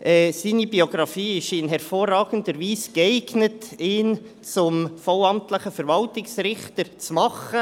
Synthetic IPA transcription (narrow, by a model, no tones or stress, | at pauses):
ʔɛsiːnibioɡ̥ɾɑfiːɪʃɪnɦɛɾfoːrɑːɡ̥ən̩dəɾviːsɡ̥ɛɪɡnətɪːn | t͡sʊmfɔwɑmtləχəfɛɾvɑltɪksrɪχtəɾt͡smɑχə